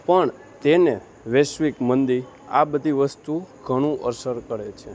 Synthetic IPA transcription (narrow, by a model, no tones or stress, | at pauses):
pəɳ | t̪ene | ʋeʃʋikmənd̪i | a̰bəd̪ʱiʋəst̪uɡʱəɽ̃ũʔəɾsəɾkəɽet͡ʃʰe